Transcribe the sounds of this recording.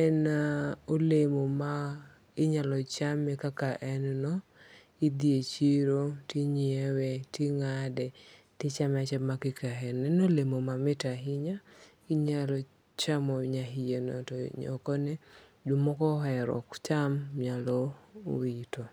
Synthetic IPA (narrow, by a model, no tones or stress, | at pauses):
ɛnaolemoma | ɪɲalɔt͡ʃamːɛkakaʔɛnnɔ | id̪iet͡ʃiɾotiɲewetiŋadɛ | tɪt͡ʃamat͡ʃɛmakɪkaɦɛnɛnolemomamɪtaɦɪɲa | iɲalɔ | t͡ʃamɔɲaɦɪjenɔ̰tɔɲɔ̰kɔnɛ | dumɔkɔɦɛɾɔ̰kt͡ʃamːjalɔwito